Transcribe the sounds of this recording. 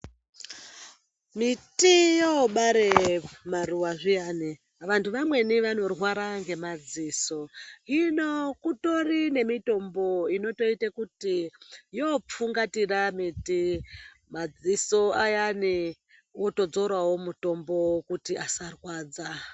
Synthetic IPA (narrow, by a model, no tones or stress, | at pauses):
mitijoɓaɾemaruwaʐijaːni | ʋantʰuʋamwe̞niʋano̞rwaɾaŋɡe̞mad͡ziːso̞inokuto̞rine̞mito̞mbo̞ino̞to̞itakutijop͡fuŋɡatiramiti | mad͡ziso̞ajani | woto̞d͡zo̞ɾwawo̞muto̞mbo̞kutiʔasarwaːd͡za